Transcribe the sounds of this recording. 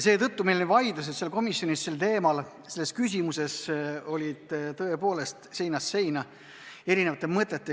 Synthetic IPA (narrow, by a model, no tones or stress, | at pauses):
se̞ːt̪ɤt̪ːumejlonivɑjd̪̥us̬et̪se̞lko̞misjo̞nisse̞lt̪e̞ːmɑl | se̞lːeskys̬ʲimuse̞so̞lʲid̪̥t̪ɤ̞e̞po̞ːle̞st̪se̞jnɑsːe̞jnɑ | e̞ɾinevɑt̪ːˑemɤt̪ˑːet̪ːˑe